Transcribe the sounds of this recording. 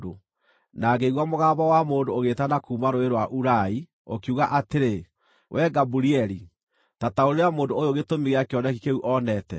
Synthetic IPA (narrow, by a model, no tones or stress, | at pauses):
o | naɡeiɣwamoɣaːbawamoːndooɣetanakuːmaɾoeɾwaʔuɾai | o̰kiuɣaʔateɾe | wʔɛɡabuɾiɛɾi | tataoɾeɾeamoːndoojoɣetomiɣeakejɔnɛkikeuʔɔnɛtɛ̰